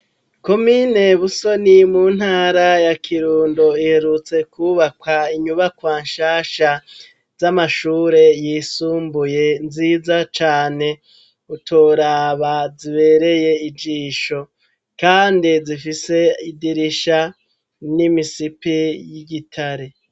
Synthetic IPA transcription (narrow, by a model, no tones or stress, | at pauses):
ko̞mine̞βuso̞nimuːnn̥haːɾajakʰiɾuːndo̞ihe̞ɾut͡se̞kuβakwaiɲuβakwaːɲʃaːʃa | z̥amaʃuːɾe̞jiːsuːmbuje̞nziːzat͡ʃaːne̞ | utʰoɾaːβaziβe̞ɾe̞je̞id͡ʒiːʃo̞ | kaːndizifise̞idiɾiʃa | nimisipijiɡitʰaɾe